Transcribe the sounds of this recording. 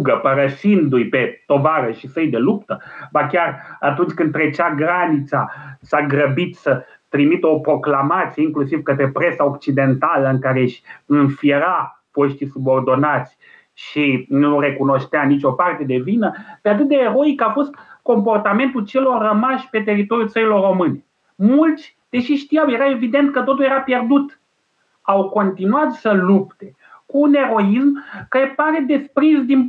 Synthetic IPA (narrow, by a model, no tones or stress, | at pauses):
ɡəpəɾəʃind̪ujpe̞t̪o̞vaɾəʃisəjd̪e̞lupt̪əbakʲarat̪unt͡ʃʲkɨnd̪t̪ɾet͡ʃaɡɾanit̪sasaɡɾəbit̪sə | t̪ɾimit̪o̞pɾo̞klamat̪sijeiŋklusivkət̪ɾe̞pɾe̞sao̞kt͡ʃid̪e̞nt̪aləɨŋkaɾeʃʲɨnfieɾa | fo̞ʃt̪ijsubo̞rd̪o̞nat̪sʲ | ʃinure̞kuno̞ʃt̪eanit͡ʃʲo̞part̪e̞d̪e̞vinəpeat̪̬ɨt̪̚d̪eːɾo̞ikafo̞st̪ko̞mpo̞rt̪ame̞nt̪ult͡ʃe̞lo̞rːəmaʃʲpe̞t̪e̞rit̪o̞ɾjult̪səilo̞rːo̞mɨne | mult̪sʲ | d̪̥e̞ʃiʃt̪ijawje̞ɾae̞vid̪e̞nt̪kət̪o̞t̪ulje̞ɾapje̞rd̪ut̪ | awko̞nt̪inuat̪səlupt̪e̞ | kuːne̞ɾo̞ismkaɾe̞paɾe̞d̪e̞spɾisd̪in